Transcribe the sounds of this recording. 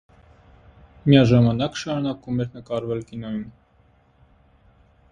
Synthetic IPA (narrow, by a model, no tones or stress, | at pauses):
mijɑʒɑmɑnɑkʃɑɾunɑkumɛɾnəkɑɾvɛlkinɔjum